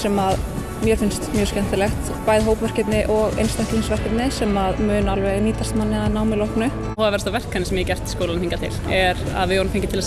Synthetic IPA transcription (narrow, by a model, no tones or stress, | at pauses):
sɛmað | mjɛɾ̥fɪnst̪mjœːscɛn̥t̪ɪlɛxt̪ | paːjðɦoːwpvɛr̥cɪt̪nɪʔɔɣḛjnst̪ahklinsvɛr̥cɪt̪nɪsɛmaðmʏːnalvɛɣniːt̪ast̪manːɪaðnaːwmɪlowhknʏ | ɔːðvɛɾst̪awvɛr̥kanɪsɛmjɛcɛr̥t̪skowlanhiŋkat̪ʰɪ̰lɛɾa̰ðvɪɔɾnmfeɲcɪt̪ʰɪla